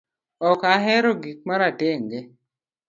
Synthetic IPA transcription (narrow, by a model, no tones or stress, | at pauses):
ɔkaɦɛɾoɡik̚maɾateŋɡe